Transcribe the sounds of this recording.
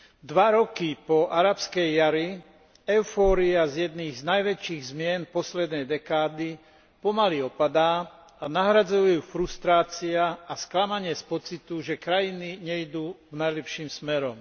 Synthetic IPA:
d̪ʋaɾɔkipɔʔaɾapskɛjːaɾi | ɛʊfɔːɾiazjɛd̪niːɣznajʋɛt͡ʃiːɣzmɪɛnpɔslɛd̪nɛjd̪ɛkaːd̪i | pɔmaliɔpad̪aː | anaɦɾad͡zujjuːfɾust̪ɾaːt͡siaːsklamaɲɪɛspɔt͡sit̪uʒɛkɾajiniɲɛid̪uːɡnajlɛpʃiːmsmɛɾɔm

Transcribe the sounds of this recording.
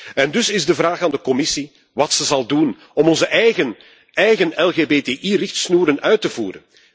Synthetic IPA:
ɛndʏsɪzdəvɾaːxaːndəkɔmɪsi | ʋɑtsəzɑlˠdun | ɔmɔnzəʔɛjɣən | ɛjɣənɛlˠɣeːbeːteːʔirɪxtsnuːɾənœɥtəvṵːɾə̰n

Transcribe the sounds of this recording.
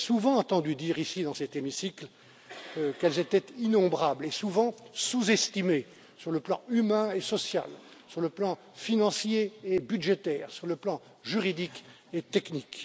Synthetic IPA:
suvɑ̃ɑ̃t̪ɑ̃d̪yd̪iʁisid̪ɑ̃sɛt̪emisikl | kɛlzet̪ɛt̪inɔ̃bʁablesuvɑ̃suzɛst̪ime | syʁləplɑ̰̃ymɛ̃esɔsja̰lsyʁləplɑ̃ | finɑ̃sjeːbyd̪ʒet̪ɛːʁsyʁləplɑ̃ | ʒyʁid̪ik | et̪ɛknik

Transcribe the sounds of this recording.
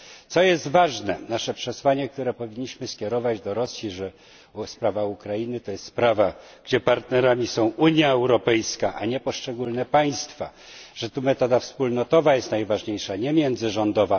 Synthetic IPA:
t̪sɔjɛst̪vaʐnɛnaʂɛpʂɛswaɲɛk̚t̪uɾɛpɔvʲiɲːiɕmɘskʲɛɾɔvad͡ʑd̪ɔɾɔsʲjiʐɛ | spɾavaukɾajinɘt̪ɔjɛst̪spɾava | ɡ̥d͡ʑɛpaɾt̪nɛɾamʲisɔ̃w̃uɲjaɛwɾɔpɛjskaʔa̰ɲɛpɔʂt͡ʂɛɡulnɛpaj̃st̪fa | ʐ̥ɛt̪umɛt̪ɔd̪afspulnɔt̪ɔvajɛst̪najvaʐɲejʂaɲɛmʲjɛnd̪zɘʐɔnd̪ɔva

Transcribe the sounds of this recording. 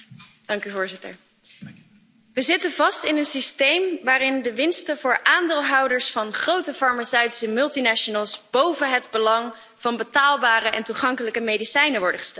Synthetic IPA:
d̥ɑŋkyvʊːɹzɪtə̰ɹ | ʋəzɪtənvɑstɪnənsistejmʋaːɾɪndəʋɪnstəvʊːɹʔaːndɪːlˠɦɑwdəɹsfɑnχrowtəfɑɹmasœɥti̥səmɵlˠtinaʃonəlˠsb̥owvənɦədbəlɑŋ | v̥ɑnbətaːlˠbaːrəʔɛntuχɑŋkələkəmejdisɛjnəʋɔɹdəχə̥stɛt

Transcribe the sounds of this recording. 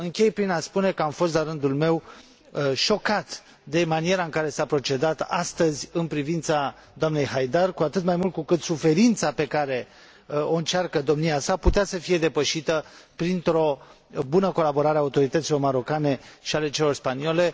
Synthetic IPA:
ɨŋkʲe̞jpɾinaspune̞kəamfo̞s̬t̪laɾɨnd̪ulme̞w | ʃo̞kat̪ | d̪e̞manie̞ɾaɨŋkaɾe̞sapɾo̞t͡ʃe̞d̪at̪a̰st̪əzʲɨnpɾivint̪sa | d̪oamne̞jɦajd̪arkuat̪ɨt̪majmult̪̚kukɨt̪sufe̞ɾint̪sape̞kaɾe̞ | o̞ɨnt͡ʃarkəd̪o̞mniasaput̪easəfije̞d̪e̞pəʃit̪əpɾint̪ɾo̞ | bunəko̞labo̞ɾaɾeaut̪o̞ɾit̪ət̪silo̞rməɾo̞kane̞ʃiale̞t͡ʃe̞lo̞rspaniole̞

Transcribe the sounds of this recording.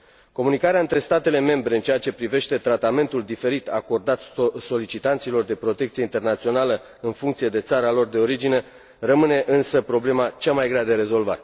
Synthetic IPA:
ko̞munikaɾeaɨnt̪ɾe̞st̪at̪e̞le̞me̞mbɾe̞ɨnt͡ʃejat͡ʃe̞pɾive̞ʃt̪e̞t̪ɾat̪ame̞nt̪uld̪ife̞ɾit̪a̰ko̞rd̪at̪so̞lit͡ʃit̪ant̪silo̞rd̪e̞pɾo̞t̪ekt̪sije̞int̪e̞rnat̪sio̞nalə | ɨnfuŋkt̪sije̞d̪e̞t̪saɾəalo̞rd̪e̞o̞ɾid͡ʒine̞ | rəmɨne̞ʔɨnsəpɾo̞ble̞mat͡ʃamajɡɾead̪e̞ɾe̞zo̞lva̰t̪

